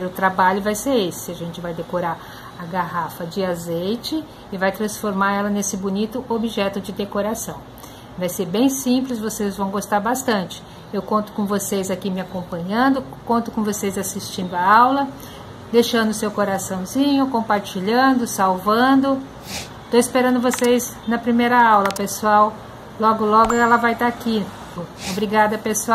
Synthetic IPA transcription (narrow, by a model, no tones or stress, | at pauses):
ɾʊt̪ɾabaʎʊvajseɾesɪ̥ɪaʒẽnt͡ʃɪvajd̪ekoɾaɾ | ɐɡaɦafɐd͡ʒɪazejt͡ʃɪː | vajt̪ɾɐ̃sfoɾmaɾɛlɐnesɪbunit̪ʊʔobiʒɛt̪ʊd͡ʒɪd̪ekoɾasɐ̃w̃ | vajseɾbẽj̃sĩplɪs̬vosezvɐ̃w̃ɡost̪aɾbast̪ɐ̃nt͡ʃɪ̥ | ewkõnt̪ʊ̥kõvosezakimɪakõmpɐ̃ɲɐ̃nd̪ʊ | kõnt̪ʊ̥kõvosejzasist͡ʃĩnd̪ʊaawlɐ | d̪ejʃɐ̃nd̪ʊsewkoɾasɐ̃w̃zĩɲʊkõmpaɾt͡ʃiʎɐ̃nd̪ʊsawvɐ̃d̪ʊ | t̪oispeɾɐ̃nd̪ʊvosejz | nɐpɾimejɾɐawlɐpesuaw | lɔɡʊlɔɡʊɛlɐvajt̪aki | obɾiɡad̪ɐpesuaw